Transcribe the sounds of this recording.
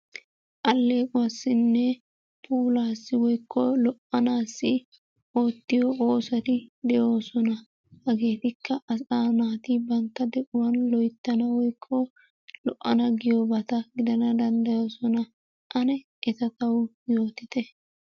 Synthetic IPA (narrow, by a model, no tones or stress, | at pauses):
ʔɐlːe̞ːkʼʊwasːɪnːɛ | pʰʼuːlaːsːɪwɔjkʰːɔlɔʔɐnaːsːɪ | o̞ːt̪ːɪjoo̞ːsɐt̪ɪd̪ɛjo̞ːsɔnɐ | hɐɡe̞ːt̪ɪkʰːɐʔɐsaːnaːt̪ɪbɐnt̪ːɐd̪ɛʔʊwɐnlɔjt̪ːɐnɐwɔjkʰːɔ | lɔʔːɐnɐɡɪjobɐt̪ɐɡɪd̪ɐnɐd̪ɐnd̪ɐjo̞ːsɔnɐ | ʔɐnɛ | ʔɛt̪ɐt̪ɐw | jo̞ːt̪ɪt̪ɛ